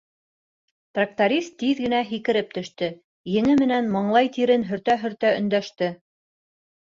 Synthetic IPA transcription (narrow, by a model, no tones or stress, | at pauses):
t̪rak̚t̪oɾʲist̪ːiðɡɘ̆næɦikɘ̆ɾɘp̚t̪ɵ̆ʃt̪ɘ | jɘ̆ŋɘmɘ̆nænmɤ̆ɴlˠɑjt̪iɾɘnɦɵ̆ɾt̪æɦɵ̆ɾt̪æɵ̆nd̪æʃt̪ɘ